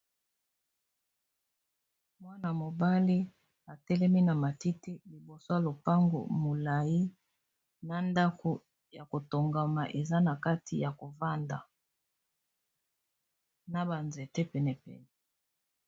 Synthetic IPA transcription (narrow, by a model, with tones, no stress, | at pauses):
mwa˦na˨mo˨ba˦li˦ | a˨tɛ˦lɛ˦mi˦na˨ma˨ti˦ti˦li˨bo˨so˦ja˨lo˨pa˦ŋɡo̰˨mo˨la˨ji˦ | na˨nda˦ko˨ | ja˨ko˨to˨ŋɡa˨ma˨ʔe˨za˦na˨ka˦tʰḭ˨ja˨ko˨va˦nda̰˨ | na˨ba˨nzɛ˨te˦pɛ˨nɛ˨pɛ̰˨nɛ˨